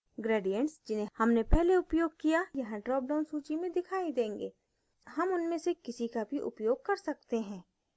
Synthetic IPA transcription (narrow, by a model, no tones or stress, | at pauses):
ɡɾeːɖijə̃ɳʈsd͡ʒɪnẽhɐmnepɛɦleʊpjoːɡ̚kijajɐɦãɖɾɔːp̚ɖãːnsuːt͡ʃimẽd̪ɪkʰaːid̪ẽːŋɡeː | hɐmʊnmẽsekɪsikabʱiʔʊ̰pjoːɡ̚kɐɾsɐk̚t̪eɦɛ̃ː